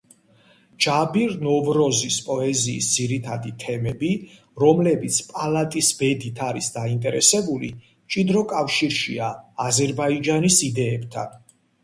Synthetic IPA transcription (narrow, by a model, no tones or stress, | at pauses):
d͡ʒabiɾnɔvɾɔzispʼɔɛziːsd̪ziɾit̪ʰad̪it̪ʰɛmɛbi | ɾɔmlɛbit̪sʰpʼalˠat̪ʼisbɛd̪it̪ʰaɾisd̪aint̪ʼɛɾɛsɛbulḭ | t͡ʃʼid̪ɾɔkʼafʃiɾʃḭaːzɛɾbaid͡ʒanisid̪ɛːb̥t̪ʰa̰n